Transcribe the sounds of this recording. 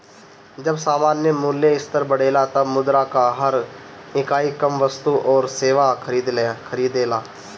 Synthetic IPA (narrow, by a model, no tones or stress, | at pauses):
d͡ʒɐbsaːmaːnjəmuːljeɪst̪əɾbəɽeːlat̪ɐbmʊd̪ɾakaɦɐɾɪkaːikɐmʋəst̪uʔɔːɾseːʋakəɾiːd̪lkʰəɾiːd̪eːlaː